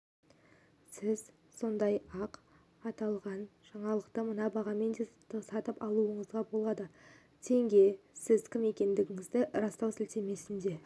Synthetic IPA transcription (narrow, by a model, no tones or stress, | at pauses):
sɪz | so̞nd̪ɑjɑq | ɑt̪ɑlˠʁɑnʒ̥ɑɴɑlˠəqt̪əmənɑbɑʁɑme̞nd̪e̞əsɑt̪əpɑlˠuəɴəzʁɑbo̞lˠɑd̪ə | t̪ʰe̞ŋɡʲe̞sɪzkʲʰɪme̞kʲe̞nd̪ɪɡʲɪŋɪzd̪ɪʔɾɑst̪ɑwsɪlt̪e̞me̞sɪnd̪e̞